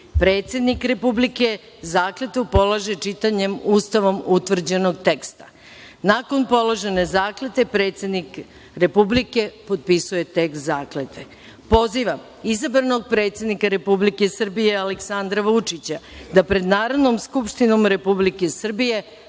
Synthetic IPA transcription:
pɾe̞ːt̪sje̞d̪nikɾe̞publike̞ | zaːklet̪upo̞laʒe̞t͡ʃit̪aɲe̞muːst̪aʋo̞mut̪ʋr̩d͡ʑe̞no̞ɡt̪e̞kst̪ḁ | nako̞npo̞lˠoʒe̞ne̞zaːklet̪e̞pɾeːt̪sʲje̞d̪nik | ɾe̞publike̞po̞d̪̚pisuje̞t̪ekst̪zaːklet̪ʰe̞ | po̞ziʋam | izabɾano̞ɡ̚pɾe̞ːt̪sje̞d̪nikaɾe̞publike̞sr̩bije̞aleksand̪ɾaʋut͡ʂit͡ɕad̪apɾe̞d̪naːɾo̞d̪no̞mskupʃt̪ino̞mɾe̞publike̞sr̩bije̞

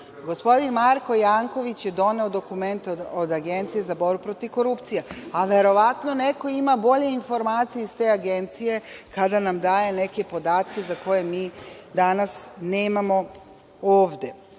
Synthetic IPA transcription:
ɡo̞spo̞d̪inmaɾko̞jaŋko̞ʋit͡ɕje̞d̪o̞ne̞od̪o̞kume̞nt̪od̪aɡe̞nt̪sije̞zabo̞ɾbupɾo̞t̪iʋko̞ɾupt̪sijeaʋe̞ɾo̞ʋat̪no̞ne̞ko̞imabo̞ʎe̞info̞ɾmaːt̪sijeist̪e̞ːaɡe̞nt̪sije̞kad̪anamd̪aːje̞ne̞ke̞po̞d̪aːt̪ke̞zako̞jemiːd̪anasneːmamo̞ | oːʋd̪e̞

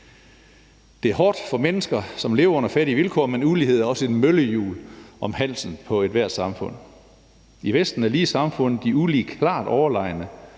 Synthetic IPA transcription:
d̥e̝æɐɦɒːd̥fɒ̽menəsɡ̥ɐsɒ̽mle̝ːʊɐɔ̽n̰ɐfæɾiʋilkʰɒ̰ːmenulie̝ð̞̰ˠæɐɒ̽səe̝dmøləjṵːlʔɒ̽mhæn̰sn̩pʰɒ̽e̝d̥ʋæɐ̰d̥sɑ̈mfɔ̽n̰ | iʋesd̥n̩æɐliːsɑ̈mfɔ̽n̰ð̩ˠd̥iulikʰlɑ̰̈ːd̥ɒʊɐlɑ̈ɪ̰nə

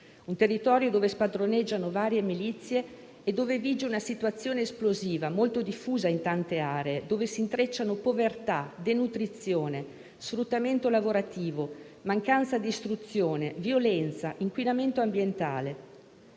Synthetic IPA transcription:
unt̪erːit̪ɔːɾjod̪oːvespad̪ɾonɛd͡ʒːanovaːɾjemilit̪sːje | ed̪ːoːveviːd͡ʒeunasit̪uat̪sːjoːneːsploziːvamolt̪od̪ifːuːzaint̪ant̪eaːɾeːd̪oːvesint̪ɾet͡ʃːanopovert̪ad̪enut̪ɾit̪sːjoːne | sfɾut̪ːament̪olavoɾat̪iːvo | maŋkant̪sad̪iːst̪ɾut̪sːjoːnevjolɛnt̪saʔiŋkwinament̪oambjent̪a̰ːle

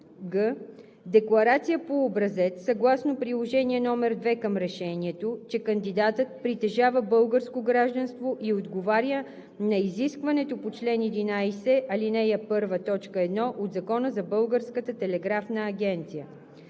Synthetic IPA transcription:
ɡə | d̪ɛklˠɐɾat̪sijəpoːbɾɐzɛt̪sɐɡlˠasnopɾilˠoʒɛniɛnɔmɛɾd̪vɛkɐmɾɛʃɛniɛt̪ot͡ʃɛkɐnd̪id̪at̪ət̪̚pɾit̪ɛʒavəbɤlˠɡəɾskoɡɾaʒd̪ənst̪voʔiod̪ɡovaɾʲjə | nɐiziskvɐnɛt̪opot͡ʃlɛnɛd̪inajsɛʔɐlinɛjɛpɤɾvət̪ɔt͡ʃkəɛd̪nɔʔod̪zɐkɔnəzɐbɤlˠɡəɾskət̪ət̪ɛlɛɡɾafnəːɡʲɛnt̪sijə

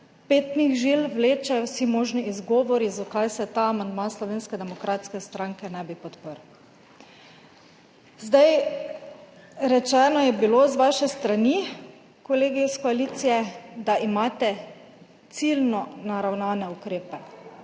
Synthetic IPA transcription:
peːt̪niɣʒilwleːt͡ʃajɔsimoːʒniizɡɔːʋɔɾizɔkajsɛt̪aːamand̪maslɔʋeːnskɛd̪ɛmɔkɾat̪skɛst̪ɾaŋkɛnɛbipɔt̪pəɾ | zd̪aj | ɾɛt͡ʃɛnɔjɛbilozʋaʃɛst̪ɾani | koleːɡiskɔalit̪sijɛd̪aʔimaːt̪ɛ | t̪silnɔnaɾawnaːnɛukɾeːpɛ

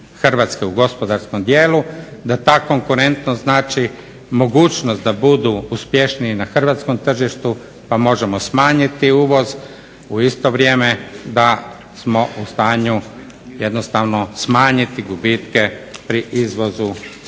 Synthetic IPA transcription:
xr̩ʋat̪skeuɡo̞spo̞d̪aɾsko̞md̪jeːlud̪at̪aːko̞ŋkuɾe̞nt̪noznaːt͡ʃi | mo̞ɡuːt͡ʃnost̪̚d̪abud̪uuspje̞ʃniinaxrʋat̪sko̞mt̪r̩ʒiʃt̪u | pamo̞ʒe̞mo̞smaːɲit̪iuːʋo̞z | uist̪o̞ʋɾʲjeːmed̪a | smo̞ʔust̪aːɲu | je̞d̪nost̪aʋno̞smaːɲit̪iɡubit̪kepɾiʔizʋo̞zu

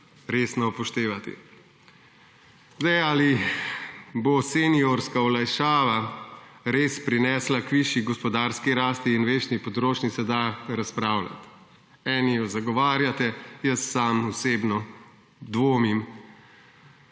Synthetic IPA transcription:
ɾeːsnɔpɔʃt̪eːʋat̪ḭ | zd̪ɛjali | bosenioɾskaɔlajʃaːʋa | ɾeːspɾinɛːslakʋiʃiɡɔspɔd̪aːɾskiɾaːst̪iːnʋeːʃnipɔd̪ɾoːt͡ʃnisɛd̪aɾaspɾaːwla̰t̪ | ɛːnijɔzaɡɔʋaːɾjat̪ɛjəsːaːmuseːbnɔ | d̪ʋoːmim

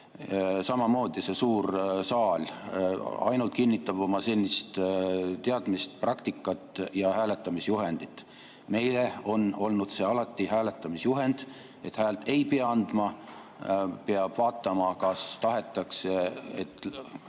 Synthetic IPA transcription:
sɑmɑmo̞ːd̪̥ise̞suːɾsɑːl | ɑ̰jnult̪̚kinʲːit̪ːˑɑb̥o̞mɑse̞lʲːist̪t̪e̞ɑd̪̥mist̪prʔɑkt̪ikːˑɑt̪ːˑjɑhæːle̞t̪ːˑɑmisjuɦe̞nd̪̥it̪ːˑ | me̞jle̞o̞no̞lnud̪̥se̞ːɑlɑt̪ːˑihæːle̞t̪ːˑɑmisjuɦe̞nd̪̥ | e̞t̪hæːlt̪e̞jpeɑɑnd̪̥mɑ | peɑb̥vɑːt̪ˑːɑmɑkɑst̪ɑɦe̞t̪ːˑɑkseet̪ːˑ

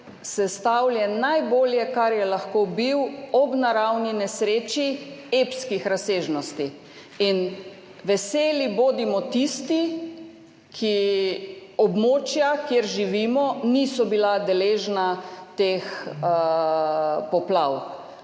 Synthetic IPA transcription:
sɛst̪awljɛnajboːljɛkaɾjɛlaxkobiwɔbnaɾawninɛsɾeːt͡ʃiepskixɾaseːʒnɔst̪i | in | ʋɛseːliboːd̪imɔt̪ist̪i | kʰi | ɔbmoːt͡ʃjakjeɾʒiʋiːmɔnisɔbilad̪ɛleːʒnat̪eːx | pɔplaw

